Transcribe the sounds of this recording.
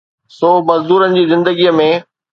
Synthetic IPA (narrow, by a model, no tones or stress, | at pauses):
soːmɐzd̪uːɾənɪ̆d͡ʑiːzɪ̃nd̪əɡijəmẽ